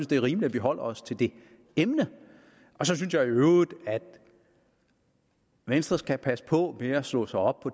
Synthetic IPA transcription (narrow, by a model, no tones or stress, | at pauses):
nsd̥e̝æɐʁiːmli̥æʋiɦɒ̽l̰ɐɒst͡sʰe̝ld̥e̝ | emnə | ʔɒ̽sɒ̽synsjɑ̈ɪæɐøʊid̥æd̥ | ʋensd̥ʁɐsɡ̥ʰæpʰæsə̥pʰɒ̽meɐslɔ̰ːsɑ̈ɪɒ̽b̥̚pʰɒ̽